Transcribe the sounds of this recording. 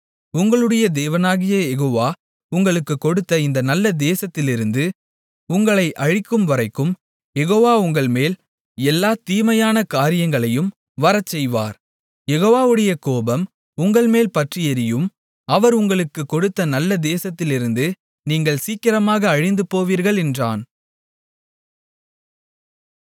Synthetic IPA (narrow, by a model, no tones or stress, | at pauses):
ʊŋɡɐɭɯɽɐjɐd̪eːʋɐnaːɣɪjɐjɛɣoːʋaː | ʊŋɡɐɭɯkːɯkːɔɽɯt̪ːɐɪnd̪ɐnɐlːɐd̪eːsɐt̪ːɪlɪɾɯnd̪ɯ | ʊŋɡɐɭɐɪʔɐɻɪkːɯmʋɐɾɐɪkːɯm | jɛɣoːʋaːʊŋɡɐɭmeːl | ɛlːaːt̪iːmɐjaːnɐkaːɾɪjɐŋɡɐɭɐjɯm | ʋɐɾɐt͡ʃːɛjʋa̰ːɾ | jɛɣoːʋaːʋɯɽɐjɐkoːbɐm | ʊŋɡɐɭmeːlpɐʈrɪjɐɾɪjɯm | ɐʋɐɾʊŋɡɐɭɯkːɯkːɔɽɯt̪ːɐnɐlːɐd̪eːsɐt̪ːɪlɪɾɯnd̪ɯ | niːŋɡɐɭsiːkːɪɾɐmaːɣɐːɻɪnd̪ɯpoːʋiːɾɣɐɭɛndra̰ːn